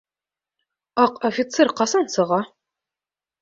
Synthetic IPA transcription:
ɑqofʲɪt̪serqɑsɑnsɤ̆ʁɑ

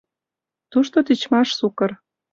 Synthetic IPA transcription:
t̪uʃt̪ot̪it͡ɕmɑʃsukər

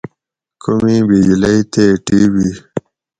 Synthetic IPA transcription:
kʰumibiɡiləjt̪eʈiwi

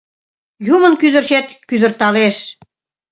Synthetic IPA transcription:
jumə̆nkyðə̆rɕet̪kyðə̆rt̪ɑleʃ

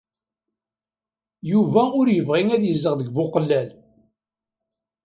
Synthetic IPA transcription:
juvæʊɾjəvʁiŋæðjəzːəʁðəɡbʊqlːæl

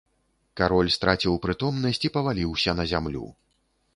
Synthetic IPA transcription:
kaɾɔlʲst̪ɾʔat͡sʲiwpɾɨt̪ɔmnɐsʲt͡sʲipɐvalʲiwsʲɐnɐzʲamlʲṵ

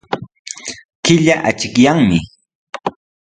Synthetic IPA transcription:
kɪʎaʔat͡ʃɪkjaŋmɪ

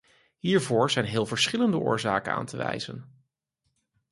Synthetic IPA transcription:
ɦiːɹvʊːɹz̥ɛjnɦɪːlˠvəɹsχɪləndəʔʊ̰ːɹzaːkəna̰ːntəʋɛjz̥ən

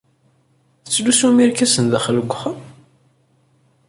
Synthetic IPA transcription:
t͡sːlusumiɾkæsənðæχələɡʷχəm

